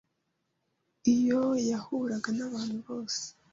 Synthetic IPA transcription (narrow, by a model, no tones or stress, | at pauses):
ijojahuɾaɡanaβaːn̥huβo̞ːse̥